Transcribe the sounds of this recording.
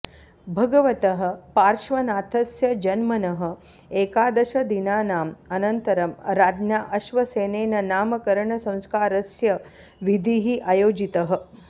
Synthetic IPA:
bʱɐɡɐʋɐt̪ɐɦɐ̆paːɾʃʋɐnaːt̪ʰɐsjɐd͡ʒɐnmɐnɐɦɐ̆ | eːkaːd̪ɐʃɐd̪inaːnaːmɐnɐnt̪ɐɾɐmɾaːd̪njaːʔɐʃʋɐseːneːnɐnaːmɐkɐɾɐɳɐsɐ̃w̃skaːɾɐsjɐ | ʋid̪ʱiɦiʔajoːd͡ʒit̪ɐɦɐ̆

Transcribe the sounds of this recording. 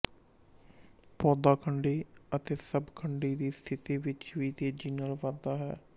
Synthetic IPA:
pɔːd̪aːkʰəɳɖeːət̪eːsəbkʰəɳɖiːd̪iːst̪ʰɪt̪iːʋɪt͡ʃʋiːt̪eːd͡ʒiːnəlʋad̪aːɦɛ̰ː

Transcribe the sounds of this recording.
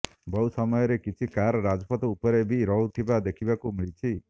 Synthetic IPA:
bɔusɔmɔjɔɾekit͡ʃʰikaɾɔɾad͡ʒɔpɔt̪ɔupɔɾebʱiɾɔɦut̪ʰibad̪ekʰibakumiɭit͡ʃʰi

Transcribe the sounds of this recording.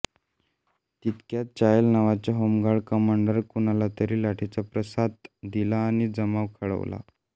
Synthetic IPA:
t̪it̪kjat̪̚t͡ɕajəlnaʋat͡ɕjaɦomɡaɭkəmaɳɖəɾkuñalat̪əɾiːlaʈʰet͡sapɾəsad̪̚d̪ilaːɽ̃id͡zəmaʋkʰəɭə̰ʋla̰

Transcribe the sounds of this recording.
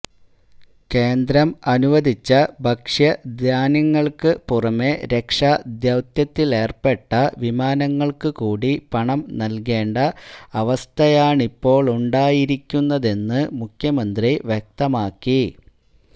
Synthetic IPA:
ke̞ːnd̪ɾɐmɐnuʋɐd̪ʱit͡ɕːɐbʱɐkʂjɐd̪ʱjaːnɐŋːɐɭkɨpurɐme̞ɾe̞kʂad̪jɐwt̪jɐt̪ːile̞ːrpe̞ʈːɐʋimaːnɐŋːɐɭkɨkuːɽipɐɳɐmnɐlke̞ːɳɖɐɐʋɐst̪ʰɐjaːɳipːo̞ːɭuɳɖaːjiɾikʲːunːɐðe̞nːɨmukʰjɐmɐnd̪riʋjek̚t̪ɐmaːkːi

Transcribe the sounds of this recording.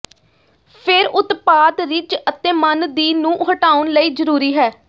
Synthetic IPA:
pʰɪɾʔʊt̪paːt̪ɾɪt͡ʃət̪ẽːmənd̪iːnũːʔɦəʈaːʊnləiːzəɾuːɾiːɦɛː

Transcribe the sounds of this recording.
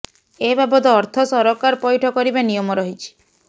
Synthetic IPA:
ebabɔd̪ɔːɾt̪ʰɔsɔɾɔkaɾpɔjʈʰɔkɔɾibanijɔmɔɾɔɦit͡ʃʰi̥

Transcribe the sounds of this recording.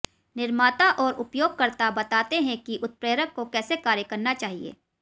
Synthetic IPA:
nɪɾmaːt̪aʔɔːɾʊpjoːɡ̚kɐɾt̪abɐt̪aːt̪eɦɛ̃kiʔʊt̪̚pɾeːɾəkːokɛːsekaːɾjəkɐɾnat͡ʃaːɦiḛː

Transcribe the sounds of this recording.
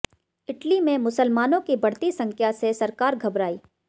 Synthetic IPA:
ɪʈlimẽmʊsəlmaːnõkibɐɽt̪isɐ̃ŋkʰjasesɐɾkaːɾɡʱɐbɾaːiː

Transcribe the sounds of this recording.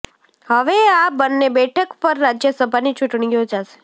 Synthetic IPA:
həʋeabənːebɛʈʰəkpəɾːad͡ʒjəsəbʱanit͡ʃʊʈɳ̃ijod͡ʒaʃe̥

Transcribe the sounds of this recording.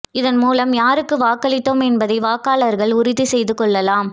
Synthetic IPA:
ɪðɐnmuːlɐmjaːɾɯkːɯʋaːkɐɭɪt̪ːomɛnbɐðɐɪʋaːkaːlɐɾɣɐɭʊɾɪðisɛjðɯkɔɭːɐlaːm

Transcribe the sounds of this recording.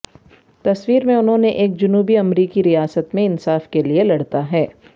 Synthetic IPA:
t̪ɐswiːɾmẽʊnɦõːneʔeːk̚d͡ʒʊnuːbiɐmɾiːkiɾijaːsət̪mẽɪnsaːfkelielɐɽt̪aɦɛː

